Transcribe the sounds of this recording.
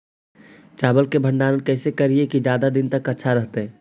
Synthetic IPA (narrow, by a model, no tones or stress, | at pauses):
t͡ʃabəlkebʱəɳɖanənkəɪsekəɾiekid͡ʒjad̪ad̪int̪əkətːʃʰaɾəɦt̪ɛ